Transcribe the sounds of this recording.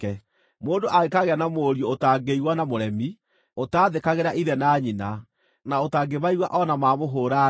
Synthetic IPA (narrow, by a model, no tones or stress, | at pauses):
ɛ | moːndoʔaɣekaɣeanamoːɾjootaɡeiwanamoɾɛmi | otaːðekaɣeɾaʔiðɛnaːɲina | naotaːɡeβaiwaʔɔnamaːmoɦoːɾa